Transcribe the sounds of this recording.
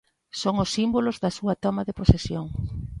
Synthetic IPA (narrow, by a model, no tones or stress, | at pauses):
soŋʊsːimbolʊzðɐsuɐt̪ɔmɐðeposesjoŋ